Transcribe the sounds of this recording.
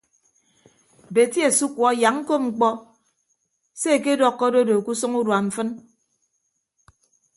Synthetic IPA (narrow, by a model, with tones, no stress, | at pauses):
be˨tje˨su˦kwɔ˨˦ja˨ŋŋ̩˦ko˦ŋ͡m̩˨k͡pɔ˦ | se˦e˨ke˦dɔ˨kːɔ˦do˦do˨ku˦sɔ˦ŋu˦dwa˨m̩˨fɨ˦n